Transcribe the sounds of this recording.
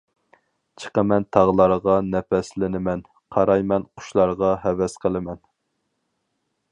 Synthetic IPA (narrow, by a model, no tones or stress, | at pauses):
t͡ʃʰə̥qəmɛnt̪ʰɑʁlˠɑɾʁɑnɛpɛslɪnɪmɛn | qʰɑɾɑjmɛnqʰʊ̥ʃlˠɑɾʁɑɦɛvɛsqʰəlˠɪmɛn